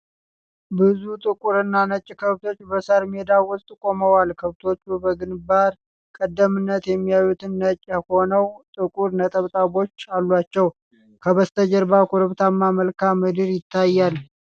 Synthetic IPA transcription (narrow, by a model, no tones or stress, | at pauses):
bɨzut̪ʼɨkʼuɾɨnːanət͡ʃʼːkʰəβt̪ʰo̞t͡ʃːbəsaɾmed̪awʊst̪ʼkʼo̞məwalkʰəβt̪ʰo̞t͡ʃːubəɡɨnbad̪ | kʼəd̪ːəmɨnːət̪jɛmːijajut̪ʰɨnːət͡ʃʼːəho̞nəwt̪ʼɨkʼuɾnət̪ʼəβt̪ʼaβo̞t͡ʃːalːwat͡ʃːɛw | kʰəβəst̪ʰəd͡ʒəɾbakʰuɾɨβt̪ʰamːaməlkamːɨd̪ɨɾjɪt̪ʰːajːal